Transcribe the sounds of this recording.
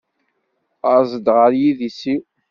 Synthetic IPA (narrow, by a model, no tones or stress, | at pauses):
əzˤəd̪ʁəɾjiðisiw